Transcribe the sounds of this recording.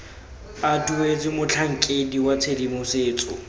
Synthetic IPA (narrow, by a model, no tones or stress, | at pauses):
atued͡zɪmʊt͡ɬʰaŋ̩kʼediwat͡sʰedimʊseːt͡sʼɔ̰